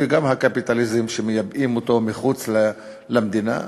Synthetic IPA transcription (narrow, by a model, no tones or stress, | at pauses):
eɡamhakapit̪alizimʃemejabimot̪o̞miχut͡sl | lamd̪ina̰